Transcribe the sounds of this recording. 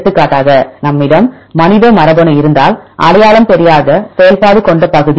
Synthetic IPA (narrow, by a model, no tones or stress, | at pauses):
t̪ːɯkːaːʈːaːɣɐnɐmːɪɽɐmː | ɐnɪðɐmɐɾɐbɐɳɐɪɾɯnd̪a̰ːlʔɐ̰ɽɐjaːɭɐmpɛɾɪjaːɣɐsɛjɐlpaːɽɯkɔɳɖɐpɐɣɯði